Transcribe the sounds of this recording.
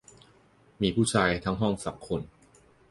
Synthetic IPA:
miː˧pʰuː˥˩t͡ɕʰaː˧jt̪ʰa˦˥ŋɦɔ˥˩ŋsa̰˩˦ŋkʰo˧n

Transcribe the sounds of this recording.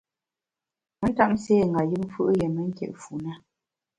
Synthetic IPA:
mə˦n̩˦ta˦ʔm̩˦se˦˨ŋ˨ɡa˨jɨ˦m˦fɯ˦ʔjɛ˨mə˦ŋ̩˦kjɛ̰˨ʔfu˨na˦

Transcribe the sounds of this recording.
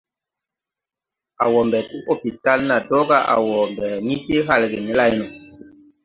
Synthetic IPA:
a˨wɔ˨mbɛ˨ti˦ʔo˦pi˨ta˦lna˨dɔ˦ɡa˦ʔa̰˨wɔ˨mbɛ˨ni˦te˦ɦa˦˨lɡe˨ni˦la˦jnɔ˨

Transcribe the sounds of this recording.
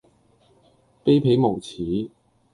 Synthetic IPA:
pe˥jpʰe˨˥jmo˨˩wt͡sʰiː˨˥

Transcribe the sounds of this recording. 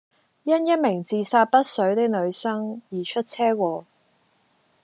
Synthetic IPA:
jɐ˥njɐ˥t̚mɪ˨˩ŋt͡siː˨saː˧t̚pɐ˥t̚sɵ˨˥ɥt̪e˥k̚lɵ˨˧ɥsɐ˥ŋjiː˨˩t͡ʃʰɵ˥t̚t͡sʰɛː˥kʷɔː˧

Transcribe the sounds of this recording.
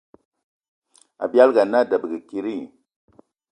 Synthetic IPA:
a̰˨bja˦lɡa˨na˦˨də˨bə˨ɡə˨ki˦ɾi˦˨

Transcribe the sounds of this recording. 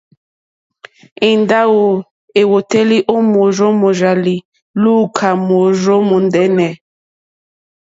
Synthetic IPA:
i˨nda˦wo˨ | e˨wo˨te˦li˦ʔo˦mo˨ʒo˦mo˨ʒa˨li˨ | lu˦kʰa˨mo˨ʒo˦mu˨ndɛ˦nɛ˨

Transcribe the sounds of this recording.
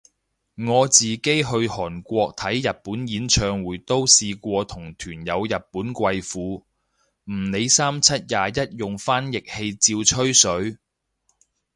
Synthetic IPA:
ŋɔː˨˧t͡siː˨ke˥jɦɵ˧ɥhɔː˨˩nkʷɔː˧k̚t̪ʰɐ˨˥jjɐ˨t̚puː˨˥njiː˨˥nt͡ʃʰœː˧ŋwuː˨˧jt̪o˥wsiː˧kʷɔː˧t̪ʰʊ˨˩ŋt̪ʰyː˨˩njɐ˨˧wjɐ˨t̚puː˨˥nkʷɐ˧jfuː˨˧ | m̩˨˩ne˨˧jsaː˥mt͡sʰɐ˥t̚jaː˨jɐ˥t̚jʊ˨ŋfaː˥njɪ˨k̚he˧jt͡siː˧wt͡ʃʰɵ˥ɥsɵ˨˥ɥ

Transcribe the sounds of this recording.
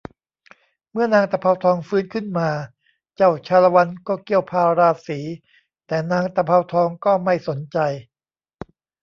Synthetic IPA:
mɯ˥˩ɐnaː˧ŋt̪a˧pʰa˧wt̪ʰɔː˧ŋfɯː˦˥nkʰɯ˥˩nmaː˧ | t͡ɕa˥˩wt͡ɕʰaː˧la˧wa˧nkɔː˥˩ki˥˩əwpʰaː˧ɾaː˧siː˩˦ | t̪ɛː˨˩naː˧ŋt̪a˧pʰa˧wt̪ʰɔː˧ŋkɔː˥˩ma˥˩jso˩˦nt͡ɕa˧j

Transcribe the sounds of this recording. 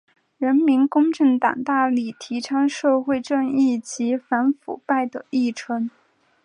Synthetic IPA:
ɻə˧˥nmi˧˥nkʊ˥ŋʈ͡ʂɤ˥˩ŋt̪ɑ̰˨˩ŋt̪a˥˧li˥˩t̪ʰi˧˥ʈ͡ʂʰɑ˥ŋʂɤ˥˧xwe˥˧ɪʈ͡ʂɤ˥˧ŋi˥˩t͡ɕi˧˥fa˧˥nfṵ˨˩pa˥˩ɪd̪ə˩i˥˩ʈ͡ʂʰwə˥ŋ

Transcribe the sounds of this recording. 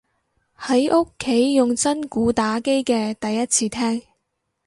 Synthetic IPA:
hɐ˨˥jʔʊ˥kʰːe˨˥jːʊ˨ŋt͡sɐ˥nkuː˨˥t̪aː˨˥ke˥jkɛː˧t̪ɐ˨jːɐ˥t̚t͡sʰiː˧t̪ʰɛː˥ŋ

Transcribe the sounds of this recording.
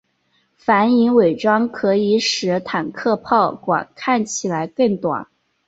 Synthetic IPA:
fa˧˥ni˧˥ŋwe˨˩ɪʈ͡ʂɑ˥ŋkʰɤ˧˥i˧˥ʂɻ̩˧˥t̪ʰa˨˩nkʰɤ˥˧pʰɑ˥˩ʊkwa̰˨˩nkʰa˥˩nt͡ɕʰi˨˩la˧˥ɪkɤ˥˩ŋt̪wa̰˨˩˦n

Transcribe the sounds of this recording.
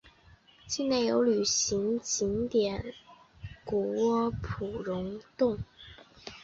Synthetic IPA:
t͡ɕi˥˧ne˥˩ɪjo˧˥ʊly˨˩ɕi˧˥ŋt͡ɕi˧˥ŋt̪jɛ˨˩˦n | ku˨˩wɔ˥pʰu˨˩ɻʊ˧˥ŋt̪ʊ˥˩ŋ

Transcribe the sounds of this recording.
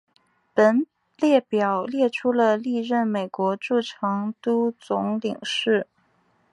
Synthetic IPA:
pə˧˥n | ljɛ˥˩pjɑ˨˩ʊljɛ˥˩ʈ͡ʂʰu˥lə˧li˥˧ɻə˥˩nme˨˩ɪkwɔ˧˥ʈ͡ʂu˥˩ʈ͡ʂʰɑ˧˥ŋt̪u˥t͡sʊ˧˥ŋli˨˩ŋʂɻ̩˥˩

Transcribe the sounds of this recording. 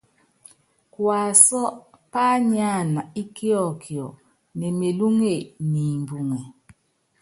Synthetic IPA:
kwa˨sɔ˦ | pa˦ɲa˦˨na˨i˦ki˦ɔ˦˨kʰi˨ɔ̰˨ | nɛ˨me˨lu˦ŋe˦˨ni˨mbu˨ŋɛ˨

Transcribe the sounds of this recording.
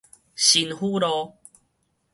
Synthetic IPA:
ɕi˧nhu˦ɾɔ˧

